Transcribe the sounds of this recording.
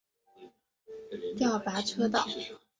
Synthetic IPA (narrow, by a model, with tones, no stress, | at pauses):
t̪jɑ˥˩ʊpa˧˥ʈ͡ʂʰɤ˥t̪ɑ˥˩ʊ